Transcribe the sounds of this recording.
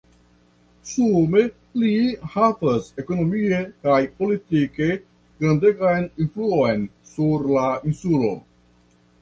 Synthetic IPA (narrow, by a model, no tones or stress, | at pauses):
sume | lihavɐsekonomiekajpolit̪ike | ɡ̥ɾand̪eɡajninfluuojnsuɾlainsulo̰